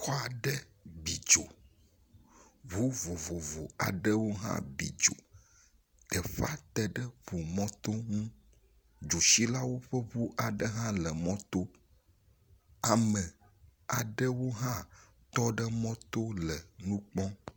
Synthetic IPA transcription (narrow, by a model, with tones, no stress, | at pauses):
xɔ˦a˨ɖə˦bi˨d͡ʒo˨ | βu˦vo˨vo˨vo˨a̰˨ɖə˦wo˦ɦã̰˦bḭ˨d͡ʒo̰˨ | t̪ə˨ɸa̰˦t̪ɛ˨ɖə˦vo˨mɔ̃˦t̪o˦ŋũ˦ | d͡ʒo˨ʃi˦la˦wo˦ɸə˦βu˦ʔa˨ɖə˦ɦã˦lə˨mɔ̃˦t̪o˦ | a˨mɛ̃˨ | a̰˨ɖə˦wo˦ɦã˦ | t̪ɔ˦ɖə˦mɔ̃˦t̪o˦lə˨nũ˦k͡pɔ̃˦